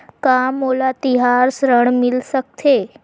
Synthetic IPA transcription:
kamolat̪iɦaɾsɾəɳmilsək̚t̪ʰe

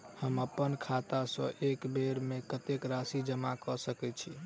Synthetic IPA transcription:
həməpːənkʰat̪asə̰̃ʔekbeɾmekət̪ekɾasid͡ʒəmakɔsəkɛt͡ʃʰi

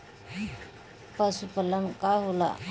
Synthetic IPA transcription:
pəsupələŋkaɦola̰

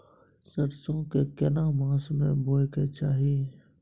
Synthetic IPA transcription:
sɐɾsõkekɪnaːmãːsmẽbʱoːjket͡ʃaːɦie

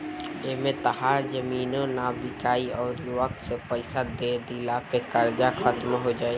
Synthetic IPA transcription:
emẽt̪ɐɦaːɾd͡ʒɐmiːnõnabɪkaːiɔːɾʋək̚t̪sepɛɪsad̪eːd̪ilapekɐɾd͡ʒaxət̪mɦod͡ʒaːe

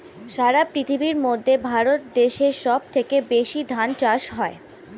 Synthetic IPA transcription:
ʃaɾapɾit̪ʰibiɾmod̪ʱːebʱaɾot̪d̪eʃeɾʃɔb̚t̪ʰekebeʃid̪ʱant͡ɕaʃɦɔe

